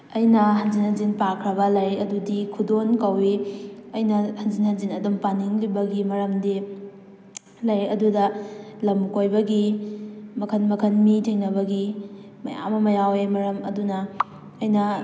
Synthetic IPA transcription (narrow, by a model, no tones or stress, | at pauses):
ɐjnɐɦɐnzinhɐnzinpakʰɾɐβɐlɐjɐdudikʰudonkɐwiɐjnɐhɐnzinhɐnzinɐdompaniŋlibɐɡimɐɾɐmdi | lajɐdudɐlɐmkojbɐɡi | mɐkʰɐnmɐkʰɐnmitʰeŋnɐbɐɡi | mɐja̰mɐmɐjawemɐɾɐmɐ̰dunɐː | jnɐ